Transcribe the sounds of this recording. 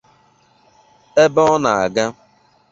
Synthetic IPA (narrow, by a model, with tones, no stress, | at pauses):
e˦bɔ˦ɔ˦na˨a˨ɡa˦